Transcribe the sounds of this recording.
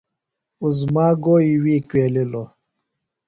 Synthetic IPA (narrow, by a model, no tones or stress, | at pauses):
uzmaːɡoːiwiːkweːlilo